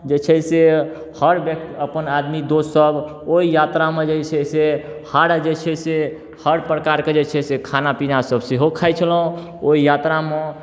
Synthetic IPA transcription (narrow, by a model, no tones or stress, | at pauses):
d͡ʒet͡ʃʰɛse | həɾbək̚t̪iəpənad̪mid̪ossəb | oijat̪ɾamẽd͡ʒeɦisʰɛsehaɽd͡ʒet͡ʃʰɛse | həɾpɾəkaɾked͡ʒet͡ʃʰɛsekʰanapinasəbseɦokʰajt͡ʃʰələũ | oijat̪ɾame